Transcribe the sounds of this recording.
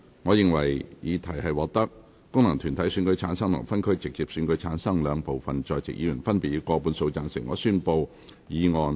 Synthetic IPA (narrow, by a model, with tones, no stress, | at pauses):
ŋɔː˨˧jɪ˨ŋwɐ˨˩jjiː˨˧t̪ʰɐ˨˩jhɐ˨jwɔː˨k̚t̪ɐ˥k̚ | kːʊ˥ŋnɐ˨˩ŋt̪ʰyː˨˩nt̪ʰɐ˨˥jsyː˨˧nkɵ˨˥jt͡sʰaː˨˧˥nsɐ˥ŋmʊ̰˨˩fɐ˥nkʰɵ˥ɥt͡sɪ˨k̚t͡siː˨p̚sy˨˧nkɵ˨˥ɥt͡sʰaː˨˥nsɐ˥ŋlœː˨˧ŋpo˨wfɐ˨nt͡ʃɔː˨jt͡sɪ̰˨k̚jiː˨˧jyː˨˩nfɐ˥npiː˨t̚jiː˨˧kɔː˧puː˨˥nso˧wt͡saː˧nsɪ˨˩ŋɔ̰ː˨˧syː˥npo˧w | jiː˨˧ŋɔː˨n